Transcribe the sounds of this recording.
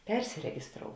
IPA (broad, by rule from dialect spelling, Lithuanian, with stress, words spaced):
ˈpʲɛrʲsʲɪrʲɛɡʲɪsˌtroːʊ